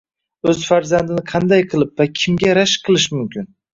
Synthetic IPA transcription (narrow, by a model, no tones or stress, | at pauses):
ɵzfaɾzand̪ɪnɪqʰɑnd̪ajqʰɨlˠɪp̚vakʲʰɪmɡʲaɾaʃqʰɨlˠɪʃmʊmkʲɪn